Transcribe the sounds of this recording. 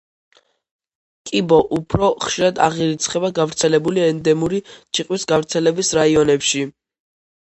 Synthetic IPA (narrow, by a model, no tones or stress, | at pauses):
kʼibɔʔupʰɾɔχʃiɾad̪a̰ʁiɾit̪sʰχɛbaɡavɾt̪sʰɛlɛbuliɛnd̪ɛmuɾit͡ʃʰiqʼwisɡavɾt̪sʰɛlɛbisɾaiɔnɛpʃi